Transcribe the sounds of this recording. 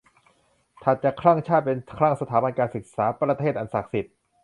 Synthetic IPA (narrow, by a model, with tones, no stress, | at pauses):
t̪ʰa˨˩t̪̚t͡ɕa˨˩kʰɾa˥˩ŋt͡ɕʰaː˥˩t̪̚pe˧nkʰɾa˥˩ŋsa˧aː˩˦ba˧nkaː˧nsɯ˨˩k̚saː˩˦pɾa˧t̪ʰeː˥˩t̪ʔa˧nsa˨˩k̚si˨˩t̪̚